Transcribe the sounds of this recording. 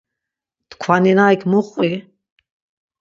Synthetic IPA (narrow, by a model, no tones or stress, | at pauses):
t̪kʰwaninajkʰmuχʼi